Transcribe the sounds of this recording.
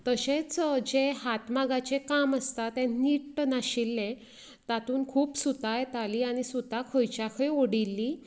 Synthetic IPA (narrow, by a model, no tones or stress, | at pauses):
t̪əɕet͡sd͡ʑeɦat̪maɡat͡ɕekaməst̪at̪ɛ̃niʈnaɕilːẽ | t̪at̪uːnkʰuːpsut̪ajt̪aliaɽ̃isut̪ːakʰojt͡ɕjakʰəioɽilːi